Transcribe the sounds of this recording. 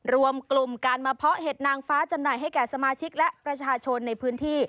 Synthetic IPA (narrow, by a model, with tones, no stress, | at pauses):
ɾu˧əmklu˨˩mkaː˧nmaː˧pʰɔ˦˥ʔɦeː˨˩t̪̚naː˧ŋfaː˦˥t͡ɕa˧mnaː˨˩jɦa˥˩jkɛː˨˩sa˧maː˧t͡ɕʰi˦˥k̚lɛ˦˥ʔpɾa˧t͡ɕʰaː˧t͡ɕʰo˧nːa˧jpʰɯː˦˥nt̪ʰiː˥˩